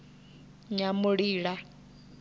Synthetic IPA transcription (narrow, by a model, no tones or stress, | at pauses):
ɲamuɺiːɺa